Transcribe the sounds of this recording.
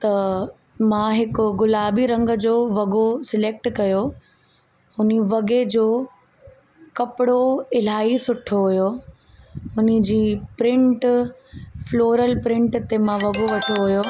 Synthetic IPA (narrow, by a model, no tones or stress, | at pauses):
t̪ɐ | mãːɦɪkʊ̆ɡʊlaːbiɾɐ̃ŋɡ̆d͡ʑoːʋɐɡosɪleːk̚ʈkɐjo | ʊniʋɐɡed͡ʑoː | kɐpɪɽoɪl̤aːisʊʈʰoɦʊjo | ʊnɪ̆d͡ʑiːpɾɪ̃ɳʈ | floːɾəlpɾɪ̃ɳʈt̪emãʋɐɡoʋɐʈʰoɦʊjo